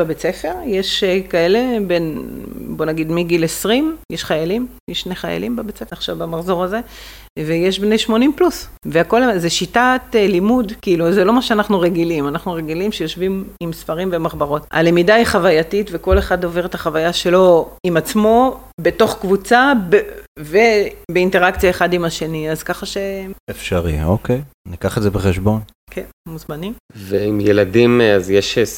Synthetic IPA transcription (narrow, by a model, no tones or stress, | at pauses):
babet͡se̞fe̞ʁjeʃkae̞le̞be̞nbo̞naɡid̪miɡilesʁimjeʃχajalimjeʃneχaja̰limbabet͡sefeaχʃa̰vbamaχzo̞ʁaze̞ | vejeʃbnejʃmo̞nimplusveako̞lzeʃitatlimudkiiluzelo̞maʃeanaχnuʁeɡilimanaχnuʁeɡilimʃejo̞ʃvimimsfaʁimvemaχbaʁo̞ta̰lemidaiχavajatitveko̞leχado̞ve̞ʁetaχavajaʃe̞lo̞imat͡smo̞ | be̞to̞χkvut͡sabvebeinte̞ʁakt͡sijaeχadimaʃe̞niazkaχaʃe̞efʃaʁḭokejnikaχetzebeχeʃbo̞n | kʰenmuzmanimveimjeladimazjeʃ